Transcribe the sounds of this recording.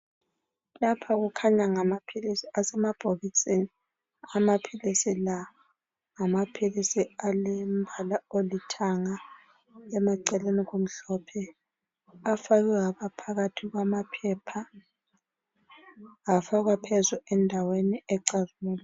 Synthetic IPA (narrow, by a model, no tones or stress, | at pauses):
lapʰaɣukʰaɲaŋamapʰilisiasɛmab̥ʱoɣisʼini | amapʰilisila | ŋamapʰilisialim̩bʱalaolitʰaŋa | ɛmaǀɛleniɣom̩ɬɔpʰɛ | afaɣɛwaβapʰaɣatʰiɣwamapʰɛpʰa | ɣafaɣwapʰɛzuɛndʱaweniɛǀazumuːlɔ